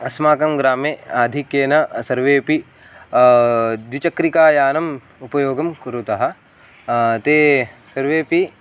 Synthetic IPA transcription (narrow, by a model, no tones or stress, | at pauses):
ɐsmaːkɐmɡɾaːmeːaːd̪ʱikjeːnɐsɐɾʋeːpi | d̪it͡ʃɐkɾikaːjaːnɐm | upɐjoːɡɐmkuɾut̪ɐɦɐ̆ | t̪eːsɐɾʋeːpi